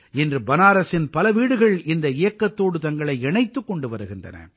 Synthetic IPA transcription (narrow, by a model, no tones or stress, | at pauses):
ɛndrɯbɐnaːɾɐsɪnpɐlɐʋiːɽɯɣɐɭɪnd̪ɐɪjɐkːɐt̪ːoːɽɯt̪ɐŋɡɐɭɐɪɛɳɐɪt̪ːɯkːɔɳɖɯʋɐɾɯɣɪndrɐ̰nɐ̰